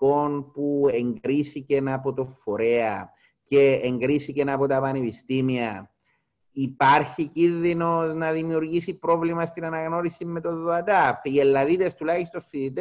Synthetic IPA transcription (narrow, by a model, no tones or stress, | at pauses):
onpueŋɡɾisicenɐpo̞t̪o̞fːo̞ɾeɐ | ce̞ːŋɡɾiθicenɐpo̞t̪ɐpɐnepist̪imiɐ | ipɐɾçicinðino̞znɐðimiuɾʝisipɾo̞vlimɐst̪inɐnɐɣno̞ɾisimːe̞t̪o̞ðːoɐt̪ɐpielːɐðit̪est̪ulɐçist̪o̞sfiðit̪e